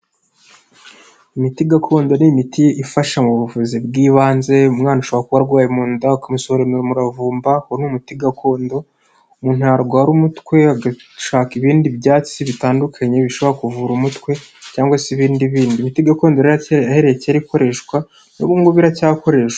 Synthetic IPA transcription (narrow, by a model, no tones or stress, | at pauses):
imitiɡakʰo̞ːndo̞nimitiʔifaʃamuβuvuzibɡiːβaːnze̞umŋaːnuʃoβoɾakuβaɾɡwaːjemuːndakamusohoɾemeɾomuɾavuːmbahonumutiɡakʰo̞ːndo̞ | umuːn̥hujaɾɡwaːɾumutkwe̞aɡaʃaːkiβiːndibjaːt͡siβitaːndukʰaɲe̞βiʃo̞βo̞ɾakuvuɾumutkwe̞caːŋɡwasiβiːndiβiːndiːmitiɡako̞ːndo̞ɾiɾaaheɾeceaɾiko̞ɾe̞ʃkwa | noβuːŋɡoβiɾacaːko̞ɾe̞ʃwa